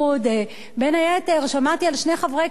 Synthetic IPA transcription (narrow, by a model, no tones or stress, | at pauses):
ud̪ | benajaet̪eʁʃamaʁt̪ialʃne̞χavʁe